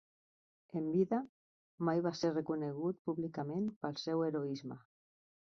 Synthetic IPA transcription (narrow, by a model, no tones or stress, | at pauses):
embiða | majβaserekuneɣ̞ut̪̚puβlikamẽnpalsɛweɾoizma̰